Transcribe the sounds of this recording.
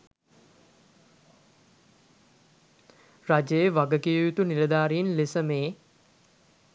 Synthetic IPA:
rad͡ʒejəʋaɡəkiːjut̪uniləd̪aːɾiinlesəmeː

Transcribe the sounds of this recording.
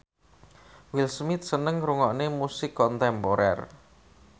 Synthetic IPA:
wilsmɪt̪̚sənəŋɾuŋɔʔnemusɪkːɔnt̪ɛmpoɾɛ̰r

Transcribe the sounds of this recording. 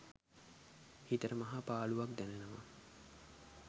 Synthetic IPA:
hit̪əɾəmɐɦapaːluʋakd̪ænenəʋa

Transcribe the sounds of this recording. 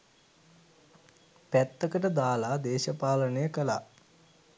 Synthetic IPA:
pæt̪ːəkəʈəd̪aːlad̪eːʃəpaːlənəjəkəla̰

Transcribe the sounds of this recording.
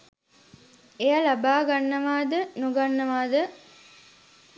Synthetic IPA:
ejɐlabaːɡanːɐʋaːd̪ənuɡanːɐʋaːd̪ə

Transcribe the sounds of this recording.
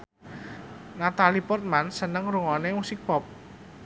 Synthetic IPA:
nat̪alipɔrt̪̚mansənəŋɾuŋɔnemusik̚pɔp̚

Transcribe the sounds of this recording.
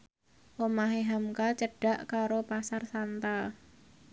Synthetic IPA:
ʔomaɦeɦamkat͡ʃəɖ̥a̤ʔkaɾopasarsant̪a

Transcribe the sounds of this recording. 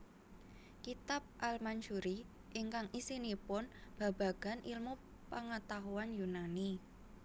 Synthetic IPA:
kit̪ap̚ʔalmand͡ʒuɾi | ʔɪŋkaŋʔisinipʊnb̥a̤b̥a̤ɡ̥a̤nʔilmu | paŋat̪aɦuanjunani

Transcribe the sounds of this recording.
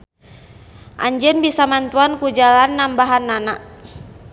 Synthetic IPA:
ʔaɲd͡ʒənbisamant̪uankud͡ʒalanːambaɦanːana

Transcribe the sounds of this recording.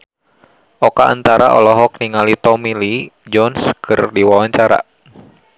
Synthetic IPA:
ʔɔkaa̰nt̪aɾa̰ʔɔ̰lɔɦɔk̚niŋalit̪ɔmilid͡ʒɔnskʰɨrdiwawaɲt͡ʃaɾa̰

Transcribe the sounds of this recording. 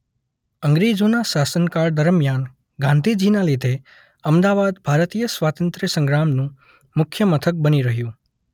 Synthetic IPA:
əŋɡɾid͡ʒonaʃasənkaɾd̪əɾəmjan | ɡãnd̪ʱid͡ʒinalid̪ʱe | əmd̪aʋad̪bʱaɾət̪ijəsʋat̪ənt̪ɾəsə̃ŋɡɾamnũ | mʊkʰjəmət̪ʰək̚bəniɾəɦjũ

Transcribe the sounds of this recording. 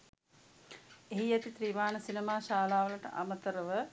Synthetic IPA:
eɦijɛt̪it̪ɾiːmaːnəsinemaːʃaːlaːʋələʈə̰ʔa̰mət̪əɾəʋə

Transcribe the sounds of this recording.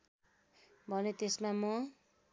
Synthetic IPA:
bʱʌnet̪esmamʌ

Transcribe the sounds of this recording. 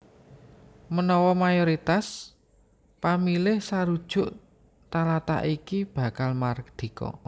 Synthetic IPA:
mənɔwɔmajoɾit̪as | pamilɪhsaɾud̥ʒ̥ʊ̤ʔ | t̪alat̪a̰ʔikib̥a̤kalmard̪̥i̤kɔ̰

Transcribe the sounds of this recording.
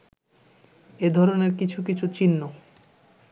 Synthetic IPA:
ed̪ʱɔɾoneɾkit͡ɕʰukit͡ɕʰut͡ɕinːo

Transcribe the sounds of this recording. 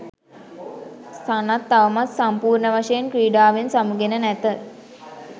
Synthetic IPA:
sanat̪ːaʋəmat̪sampuːrɳəʋaʂəjenkɾiːɖaːʋensamuɡenənæt̪ə

